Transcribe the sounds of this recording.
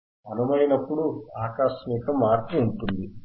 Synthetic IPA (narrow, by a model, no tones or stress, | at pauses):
ɐnumɐjinɐpːuɽuaːkaːʃmiːkɐmːaːɾt̪uːɳʈund̪i